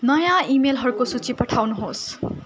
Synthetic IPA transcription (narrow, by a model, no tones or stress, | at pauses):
nʌjãimelɦʌɾukosut͡sipʌʈʰawnuɦos